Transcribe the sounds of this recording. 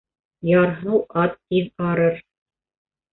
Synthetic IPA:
jɑɾɦɤwʔɑt̪ːiðɑɾɤɾ

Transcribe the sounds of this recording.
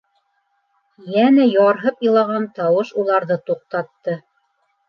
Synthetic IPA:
jænæjɑɾɦɤpɤlˠɑʁɑnt̪ɑwɤʃulˠɑɾðɤt̪uq̚t̪ɑt̪ːɤ

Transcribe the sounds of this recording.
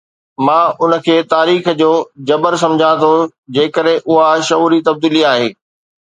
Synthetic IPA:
mãːʊnə̆kʰeːt̪aːɾiːxd͡ʑoːd͡ʑɐbəɾsɐ̃md͡ʑʱãt̪ʰod͡ʑeːkəɾɦɪ̃ʔʊɦaʃɐuːɾit̪ɐb̚d̪iːliaːɦeː

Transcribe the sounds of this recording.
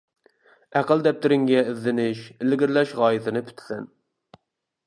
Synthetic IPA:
æqəld̪ɛp̚t̪ʰɪɾɪŋɡʲɛɪzːɪnɪʃɪlɡʲɪɾlɛʃʁɑːjɪt̪ʰɪnɨpʰy̥t̪ʰɪ̥sɛ̰n

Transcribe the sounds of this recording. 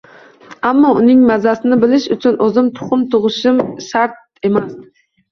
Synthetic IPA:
amːɒʊnɪŋmæzasɪnɪbɪlɪʃʊt͡ʃʰʊnʔozɪmt̪ʰʊ̥χʊmt̪ʰʊʁɨʃɪmʃaɾt̪̚emæs

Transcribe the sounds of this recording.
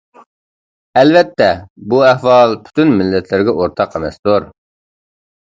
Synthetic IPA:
ɛlvɛt̪ʰːɛbuɛhwɑlˠpʰy̥t̪ynmɪlːɛt̪ʰlɪɾɡʲɛʔoɾt̪ʰɑqemɛ̰st̪uɾ

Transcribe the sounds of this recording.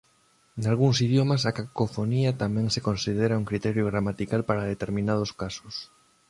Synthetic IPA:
nalɣuŋsiðjomasakakofoniat̪amɛ̃ŋsekonsið̞eɾauŋkɾit̪ɛɾjoɣɾamat̪ikalpaɾað̞et̪eɾmĩnað̞oskaso̥s

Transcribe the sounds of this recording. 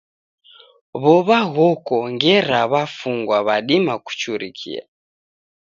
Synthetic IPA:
βɔβaɣɔkɔŋɡɛɾaβafuŋɡwaβaɗimaku̥t͡ʃuɾikʰḭa̰

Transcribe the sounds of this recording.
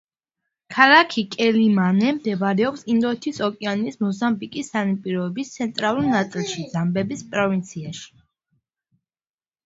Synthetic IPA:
kʰalakʰikʼɛlimanɛmd̪ɛbaɾɛɔpsind̪ɔɛt̪ʰisɔkʼɛanismɔzambikʼisanipʼiɾɔɛbist̪sʰɛnt̪ʼɾalˠuɾnat̪sʼilˠʃid̪zambɛbispʼɾɔvint̪sʰiaʃi̥

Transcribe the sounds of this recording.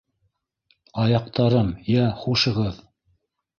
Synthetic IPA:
ɑjɑq̚t̪ɑɾɤmjæχuʃɤ̆ʁɤð

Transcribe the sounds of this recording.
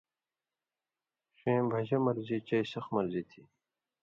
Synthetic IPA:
ɕẽːbʱɐd͡ʑɐmɐɾzit͡ɕɐisʌxmɐɾzit̪ʰi

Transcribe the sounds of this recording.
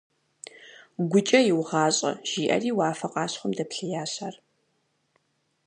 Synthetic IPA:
ɡʷʊt͡ʃʼɐjɪwʁɑːɕʼɐ̰ʒ̥iːʔɐ̰riːwaːfɐqʼɑːɕχʷʊmdɐpɬɐjaːɕaːr

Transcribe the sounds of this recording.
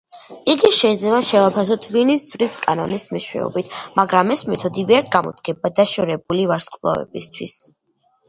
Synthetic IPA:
iɡiʃɛid̪zlɛbaʃɛvapʰas̬ɔt̪ʼvinisd̪zvɾiskʼanɔ̰nismiʃwɛ̰ɔ̰bit̪ʰmaɡɾamɛsmɛt̪ʰɔd̪iviaɾt̪̚ʰɡamɔ̰d̪ɡ̥ɛbad̪aʃɔɾɛbulivaɾsqʼlˠa̰vɛ̰bist̪ʰwis

